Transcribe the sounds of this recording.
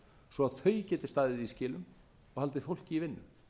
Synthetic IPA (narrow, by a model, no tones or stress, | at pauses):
svɔaðθœɥcɛːt̪ɪ̥st̪aːðɪðiscɪːlʏm | ɔɣhal̪t̪ɪfowl̥cɪivɪnːʏ̰m